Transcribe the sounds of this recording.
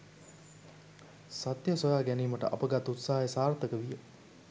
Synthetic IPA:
sat̪jəsojaːɡæniːməʈə̰ʔa̰pəɡat̪ut̪saɦajəsaːrt̪əkəʋijə

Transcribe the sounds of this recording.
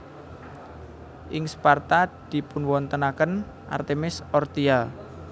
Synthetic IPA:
ʔɪŋspart̪ad̪̥i̤pʊnwɔnt̪ənakən | ʔa̰rt̪emɪsɔrt̪ial

